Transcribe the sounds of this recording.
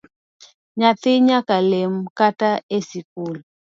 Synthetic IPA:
ɲat̪ɪɲakalemkataesikul

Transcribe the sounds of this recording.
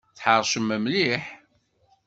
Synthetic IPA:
θħəɾˤʃəmːæmliħ

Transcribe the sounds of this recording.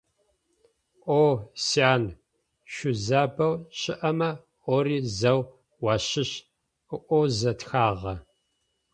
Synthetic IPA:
ʔoːsiaːn | ʃʷʊzaːbɐwɕɪʔɐmɐ | oɾiːzɐw | wɑːɕɪɕ | ɨʔʷozɐtxaːʁɐ

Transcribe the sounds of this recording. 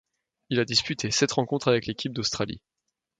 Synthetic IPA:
ilad̪ispyt̪ʰesɛt̪ʁɑ̃kɔ̃t̪χavɛklekʲip̚d̪ost̪χalḭ

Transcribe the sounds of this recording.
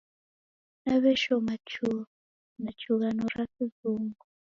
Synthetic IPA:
naβɛʃɔmat͡ʃu | nat͡ʃʰuɣanɔɾasizuːŋɡu

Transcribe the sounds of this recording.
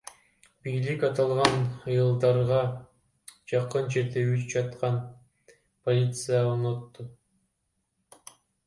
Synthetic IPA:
bijlikɑt̪ɑlˠʁɑnɯjɯlˠd̪ɑɾʁɑ | d͡ʒɑqɯnd͡ʒeɾd̪eyd͡ʒɑt̪qɑn | polʲit̪sɨjaonot̪ːu

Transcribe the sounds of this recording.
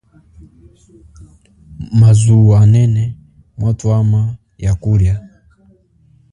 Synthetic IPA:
mazuanɛnɛ | mwatuama | jakuɾja

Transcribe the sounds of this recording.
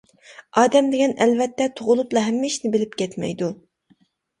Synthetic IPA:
ɑːd̪ɛmd̪ɪɡʲɛnɛlvɛt̪ːɛt̪ʰoʁʊlˠuplˠɑɦɛmːɪiʃnɪbɪlɪpkʲɛt̪mɛ̰jd̪u

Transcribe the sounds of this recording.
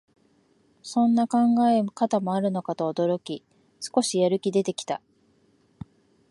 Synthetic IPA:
sõ̞nːakãŋɡaemkat̪amo̞aɾɯ̟no̞kat̪oːd̪o̞ɾo̞kʲi | sɨ̥ko̞ɕijaɾɯ̟kʲid̪e̞t̪e̞kʲi̥t̪a

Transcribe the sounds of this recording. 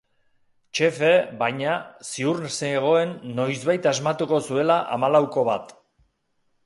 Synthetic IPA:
t͡ʃe̞fe̞βajɲasiuɾnseːɣ̞o̞e̞nːo̞jzβajt̪azmat̪uko̞sue̞laʔa̰malawko̞βat̪

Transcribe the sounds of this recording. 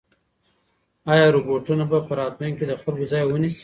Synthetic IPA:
ɑjɑɾoboʈunabapəɾɑt̪meŋked̪əxalɡozɑjwənisi̥

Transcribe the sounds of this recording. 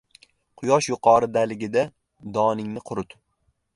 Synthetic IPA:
qʰʊjɒʃjʊqʰɒɾɪd̪alɪɡʲɪd̪a | d̪ɒnɪŋnɪqʰʊɾʊt̪

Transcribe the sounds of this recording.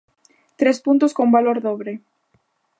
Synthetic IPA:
t̪ɾespunt̪ʊskombaloɾðoβɾe

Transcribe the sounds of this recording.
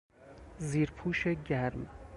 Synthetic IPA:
ziːɾpʰuːʃeɟæɾm

